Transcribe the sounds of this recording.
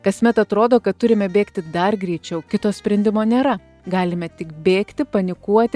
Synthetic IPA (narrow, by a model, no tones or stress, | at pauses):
kɐsʲmʲɛt̪ɐt̪ɾoːd̪oːkɐt̪̚t̪ʊɾʲɪmʲɛbʲeːkt̪ʲɪd̪ɐrɡɾʲɛːt͡ʃʲɛʊkʲɪt̪oːsʲpʲɾʲɛnʲd̪ʲɪmoːnʲeːɾɐ | ɡɑːlʲɪmʲɛt̪ʲɪkbʲeːkt̪ʲɪpɐnʲɪkuɔt̪ʲɪ